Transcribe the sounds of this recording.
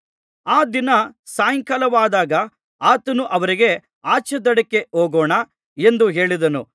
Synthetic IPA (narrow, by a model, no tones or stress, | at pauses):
aːd̪inɐsaːjɐŋkɐlɐʋaːd̪aːɡɐ | aːt̪ɐnuʔɐʋɐɾiɡe̞ | aːt͡ʃɐd̪ɐɽɐkːe̞oːɡoːɳɐ | e̞nd̪uɦe̞ːɭid̪ɐnṵ